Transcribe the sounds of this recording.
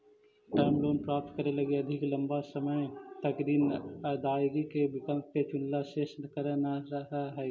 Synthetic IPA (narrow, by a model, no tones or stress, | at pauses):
ʈɛːmloːnpɾaːp̚t̪kəɾelɐɡeɐd̪ʱɪklə̃mbasəməjt̪əkɾiːnəd̪aːɡikebɪkəlkket͡ʃʊnlaʃeːst̪kəɾenaɾəɦaɦɛː